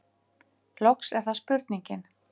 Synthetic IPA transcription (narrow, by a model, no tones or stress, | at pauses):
lɔksɛɾ̥θaspʏɾt̪̚niɲcɪn